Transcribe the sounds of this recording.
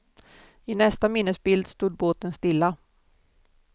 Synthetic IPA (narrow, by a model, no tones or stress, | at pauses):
ɪnɛst̪amɪnːəsbɪld̪st̪uːd̪̚boːt̪ənst̪ɪlːa